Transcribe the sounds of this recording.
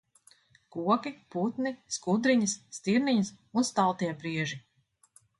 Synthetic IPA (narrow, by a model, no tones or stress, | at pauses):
kuɔkiput̪niskud̪ɾiɲɐsːt̪iɾniɲəs | unst̪alˠt̪iɛpɾiɛʒi